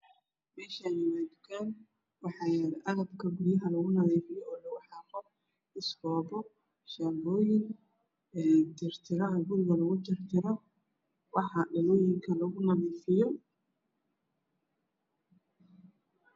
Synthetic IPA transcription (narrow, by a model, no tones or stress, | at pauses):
mɛːʃajɪmaːd̪kaːn | wɑħɑːjɾʔɐɣɐbkʰɐɡʊɾjɐɦɐlɐɣʊnɐðɛːfɪjɔɔːlɐɣʊħɑːqɔb | ɪsɡɔːbɔ | ʃaːbɔːjɪŋ | ɛːt̪ɪrt̪ʰɪɾɐɦɐɡʊɾɪɣɐlɐɣʊt̪ɪrt̪ʰɪɾɔ | wɑħɑɖɐlɔːjɪŋkʰɐlɐɣʊnɐðɛːfɪjɔ